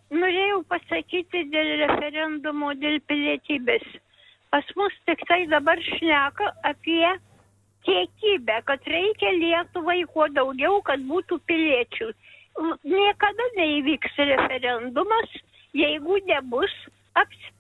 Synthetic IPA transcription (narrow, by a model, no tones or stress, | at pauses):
noːɾʲeːjɛʊpɐsɐkʲiːt̪ʲɪd̪ʲeːlˠrʲɛfʲɛɾʲɛnd̪ʊmoːd̪ʲeːlʲpʲɪlʲiɛt̪ʲiːbʲeːs | pɐsmʊst̪ʲɪkt̪ɐɪd̪ɐbɐrʃʲnʲæːkɐɐpʲiɛ | t̪ʲiɛkʲiːbʲæːkɐt̪rʲɛɪkʲɛlʲiɛt̪ʊʋɐɪkuɔd̪ɐʊɡʲɛʊkɐt̪̚buːt̪uːpʲɪlʲiɛt͡ʃʲuː | nʲiɛkɐd̪ɐnʲɛiʋʲiːksrʲɛfʲɛɾʲɛnd̪ʊmɐs | jɛɪɡʊnʲɛbʊs | ɐpʲsʲ